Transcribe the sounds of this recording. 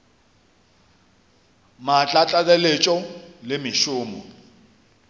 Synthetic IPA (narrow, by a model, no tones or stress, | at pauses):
mat͡ɬʼat͡ɬʼalɛlet͡ʃʼɔlɪmɪʃʊːmɔ